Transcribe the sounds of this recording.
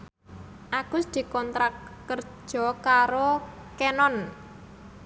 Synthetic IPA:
ʔaɡ̥ʊ̤sd̪̥i̤kɔnt̪ɾakː | ər̥d͡ʒʒ̥ɔ̤kaɾokenɔn

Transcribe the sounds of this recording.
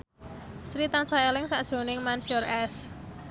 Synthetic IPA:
sɾit̪ant͡ʃajɔlɪŋsaʔd̥ʒ̥o̤nɪŋmansiɔrɛs

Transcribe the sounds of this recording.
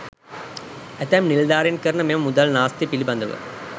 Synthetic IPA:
ɛt̪ɐmnild̪aːɾinkəɾɐnəmemɐmud̪ɐlnaːst̪ipilibɐnd̪ɐʋə̰

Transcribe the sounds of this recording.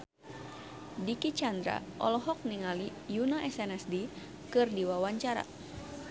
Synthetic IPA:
dikit͡ʃand̪ɾa̰ʔɔ̰lɔɦɔk̚niŋali | junaʔɛsɛnɛsdi | kɨrdiwawaɲt͡ʃaɾa̰

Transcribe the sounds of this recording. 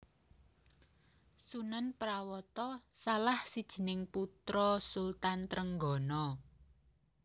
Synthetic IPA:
sunanpɾawɔt̪ɔsalahsid̥ʒ̥ə̤nɪŋput̪ɾɔsult̪ant̪ɾəŋɡɔ̤nɔ

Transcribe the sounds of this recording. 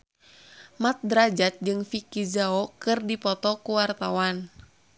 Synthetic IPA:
mat̪̚dɾad͡ʒat̪̚d͡ʒɨŋfikizaɔkɨrdipɔt̪ɔkuwart̪awan

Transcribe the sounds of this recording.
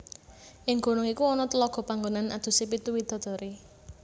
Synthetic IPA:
ʔɪŋɡ̥o̤nʊŋikuɔnɔt̪əlɔɡ̥ɔ̤paŋɡonanʔa̰d̪̥ṳsep̬it̪uwid̪̥ɔ̤d̪̥ɔ̤ɾi

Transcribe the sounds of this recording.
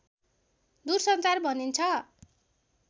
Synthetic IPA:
d̪ursʌnt͡sarbʱʌnint͡sʰʌ

